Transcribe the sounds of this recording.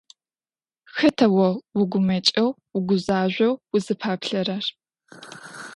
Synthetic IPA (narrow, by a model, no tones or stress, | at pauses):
xɐtʰɐwɐwʊɡʷʊmɐt͡ʃʼɐwwʊɡʷʊzaːʒʷɐwwʊzɨpʰaːpɬɐrɐr